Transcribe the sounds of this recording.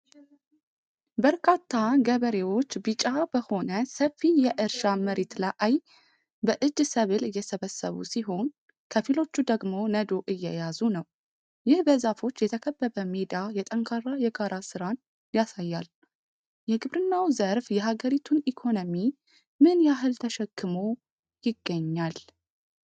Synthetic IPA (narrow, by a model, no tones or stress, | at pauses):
bəɾkʰat̪ʰːaɡəβəɾe̞wo̞t͡ʃːbɨt͡ʃʼabəho̞nəsəfːijɛʔɨɾʃaməɾet̪ləʔaj | bəʔɨd͡ʒːsəβɨlɨjːɛsəβəsːə̰βṵsiɦo̞n | kʰəfilo̞t͡ʃːud̪əɡmo̞nəd̪o̞ʔɨjːɛ̰jazunəw | jɪhbəzafo̞t͡ʃːjɛt̪ʰəkʰəbːəβəmed̪ajɛt̪ʼəŋkʰarːajɛɡaɾasɨɾan | jasajːal | jɛɡɨβɾɨnːawzəɾfjɛɦaɡəɾit̪ʰunikʰo̞nomi | mɨnjaɦɨlt̪ʰəʃɛkːɨmo̞ | jɪɡːəɲːal